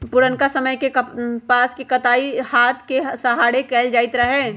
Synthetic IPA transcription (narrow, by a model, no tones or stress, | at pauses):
pʊɾənkasɐməjkepaːskekɐt̪aːihaːt̪ʰkesɐɦaːɽekɛːld͡ʒaːɪt̪ɾɐɦɛː